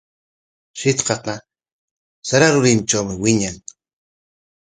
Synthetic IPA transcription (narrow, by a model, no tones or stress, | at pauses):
ʃit̪qaqa | saɾaɾuɾiːmt͡ʃʼoːmiwiɲaŋ